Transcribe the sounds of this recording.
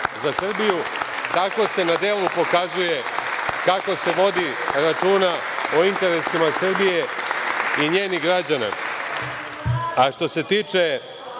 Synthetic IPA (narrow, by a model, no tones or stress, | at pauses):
zasr̩biju | t̪ako̞se̞nad̪e̞ːlˠupo̞kazuje̞ | kako̞se̞ʋo̞d̪iɾat͡ʃuːna | oint̪e̞ɾe̞simasr̩bije̞ | iɲe̞ːniɣɡɾad͡ʑana̰ | aʃt̪o̞se̞t̪iːt͡ʂe̞